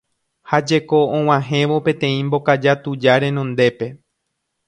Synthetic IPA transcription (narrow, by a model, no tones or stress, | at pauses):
had͡ʒe̞ko̞õw̃ãɦẽ̞ʋo̞pẽ̞t̪ẽ̞ĩmbo̞kad͡ʒat̪ud͡ʒaɾẽ̞nõ̞nd̪e̞pe̞